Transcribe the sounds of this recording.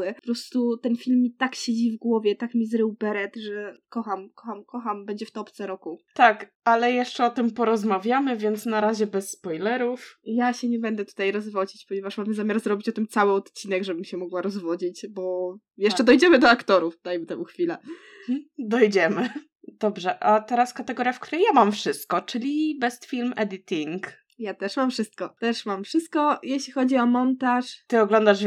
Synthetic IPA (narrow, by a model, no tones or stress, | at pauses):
ɛɔpɾɔst̪ut̪ɛnfʲilmːit̪akɕed͡ʑivɡwɔvʲjɛt̪akmʲizɾɘwbɛɾɛt̪ʐɛkɔxamkɔxamkɔxambɛɲd͡ʑɛft̪ɔpt̪sɛɾɔkut̪ak | alɛjɛʂt͡ʂɛɔt̪ɘmpɔɾɔzmavʲjamɘvʲjɛnt̪snaɾaʑɛbɛsːpɔjlɛɾufjaɕɛɲɛbɛnd̪ɛt̪u̥t̪ajɾɔzvɔd͡ʑit͡ɕpɔɲevaʂmamɘzamʲaɾzɾɔbʲit͡ɕɔt̪ɘmt̪sawɘɔt̪t͡ɕin̪ɛɡʐɛbɘmɕɛmɔɡwaɾɔzvɔd͡ʑit͡ɕbɔ | jɛʂt͡ʂɛd̪ɔjd͡ʑɛmɘd̪ɔakt̪ɔɾufd̪ajt̪ɛmuxfʲilɛ | d̪ɔjd͡ʑɛmɘ | d̪ɔbʐɛʔat̪ɛɾaskat̪ɛɡɔɾʲjafk̚t̪uɾɛjamamfʂɘst̪̚kɔt͡ʂɘlʲibɛst̪fʲilmɛd̪ɘt̪ʲiŋk | jat̪ɛʂmamfʂɘst̪̚kɔt̪ɛʂmamfʂɘst̪̚kɔjeɕlʲixɔd͡ʑiɔmɔnt̪aʂt̪ɘɔɡlɔnd̪aʐ